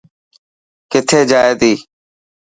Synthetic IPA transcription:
kɪt̪ʰeːd͡ʒaːeːd̪iː

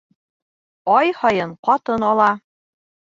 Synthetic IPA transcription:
ɒjhɒjɤɴqɒt̪ɤnɑlˠɑ

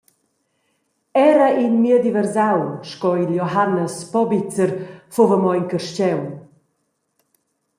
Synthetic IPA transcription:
ɛɾəʔinmiəd̪ivɛɾzawʃkɔiljɔɦanːəspɔbit͡səɾfovəmɔjŋkəɾʃt͡ɕɛw

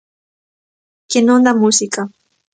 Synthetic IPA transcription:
kɪnʊnd̪amʊsɪka

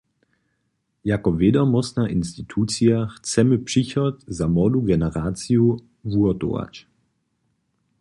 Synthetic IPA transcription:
jakɔvedɔmɔsnaʔinst̪it̪ʰuːt͡siaxt͡sɛməpʂiçɔt̪zamɔduɡɛnɛʁaːt͡siju | vuɔto̰a̰t͡ɕ

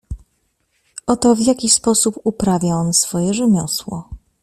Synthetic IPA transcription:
ʔɔt̪ɔvʲjakʲispɔsupupɾavʲaɔnsfɔjɛʐɘmʲjɔswɔ̰

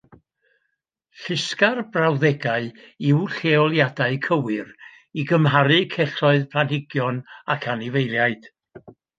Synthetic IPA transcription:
ɬɪskarbrawðɛɡaɨ | iwɬeɔlˠjadaɨkʰəwɨr | iɡəmɦaɾɨkʰɛɬɔɨðpʰlanhɪɡjɔnakʰanivejlˠjaɨd̥

